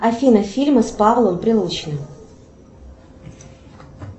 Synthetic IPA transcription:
ɐfʲinəfʲilʲmɨspavlˠəmpɾʲɪlˠut͡ɕɪnɨ

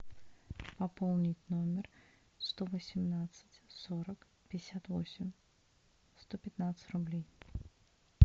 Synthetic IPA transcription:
pɐpolˠnʲɪtʲno̞mʲɪr | st̪ovəsʲɪmnat̪sɨ̥tʲso̞ɾək | pʲɪɪsʲat̪vo̰sʲɪmʲ | st̪o̞pʲɪt̪nat̪sɨ̥tʲrʊblʲej

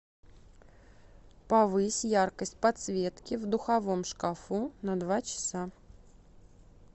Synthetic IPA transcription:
pɐvɨsʲjarkəsʲt̚ʲpɐt̪svʲe̞t̪kʲɪvd̪ʊxɐvomʂkɐfunɐd̪vat͡ɕɪ̥sa

